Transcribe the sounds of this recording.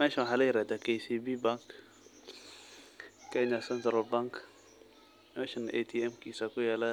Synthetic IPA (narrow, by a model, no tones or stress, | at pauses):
mɛːʃawħalɛɾɛd̪akejsibibaŋk | kɛɲasɛnt̪ɾalbaŋk | mɛːʃanʔet̪ʰiɛmkisakʊjaːla